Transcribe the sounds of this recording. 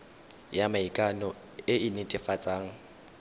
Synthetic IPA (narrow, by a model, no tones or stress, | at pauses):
jamaikʼanɔ | ɪɪnɪtʼɪfat͡sʼaːŋ̩